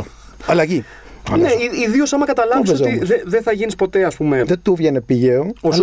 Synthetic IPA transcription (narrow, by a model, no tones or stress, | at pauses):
ɐlɐʝi | neiiðio̞sɐmɐkɐt̪ɐlɐvisoiðeðeθɐʝinispo̞t̪e̞ɐspumeðet̪uvʝenepiʝeoo